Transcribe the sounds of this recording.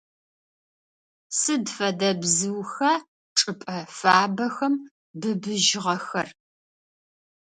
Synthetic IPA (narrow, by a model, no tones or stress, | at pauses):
sɨdfɐdɐbzɨwxɐ | ʈ͡ʂʼɨpʼɐfaːbɐxɐm | bɨbɨʒʁɐxɐr